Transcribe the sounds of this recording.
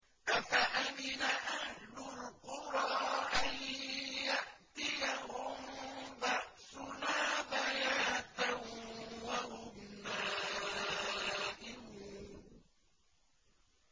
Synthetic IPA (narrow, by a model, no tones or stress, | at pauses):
ʔafaʔamɪnaʔahlʊlqʊɾˤɑːʔanjaʔt̪ɪjahʊmbaʔsʊnaːbajaːt̪ahwahʊmnaː | ʔɪh